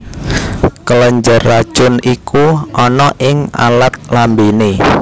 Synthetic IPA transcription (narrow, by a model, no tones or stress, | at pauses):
kələɲd͡ʒərːḁʒ̥ʊnikʰuʔɔnɔʔɪŋa̰lat̪̚lambene